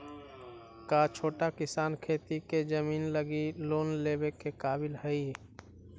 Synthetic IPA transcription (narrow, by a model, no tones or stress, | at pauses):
kat͡ʃʰoːʈakɪsaːnkʰeːt̪iked͡ʒəmiːnləɡiloːnleːbekekaːbɪlhəi